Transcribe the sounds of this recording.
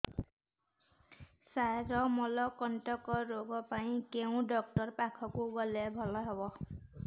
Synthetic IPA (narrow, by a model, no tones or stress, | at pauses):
sajɾɔmɔlɔkɔntɔkɔɹoɡɔpaĩkeʊ̃dɔk̚tɔɹpakʰɔkuɡɔlɛbʱɔlɔɦɔbɔ